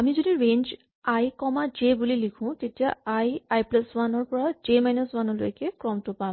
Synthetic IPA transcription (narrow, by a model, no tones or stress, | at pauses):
amizodiɹend͡ʒ | ajkɔmad͡ʒebulilikʰʊ̃tetijaajajplaswanɔɹpɔɹad͡ʒemajnɔswanɔlo̰jkɛkɹɔmtʊpa